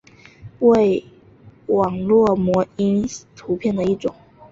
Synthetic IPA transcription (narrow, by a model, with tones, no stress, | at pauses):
we˥˩ɪ | wɑ˨˩ŋlwɔ˥˩mwɔ˧˥i˥nt̪ʰu˧˥pʰjɛ˥˩nd̪ə˩i˥˩ʈ͡ʂʊ˨˩˦ŋ